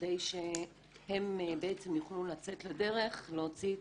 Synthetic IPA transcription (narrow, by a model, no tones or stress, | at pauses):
dejʃe | hembeet͡semjuχlulat͡se̞t̪lede̞ʁe̞χleot͡si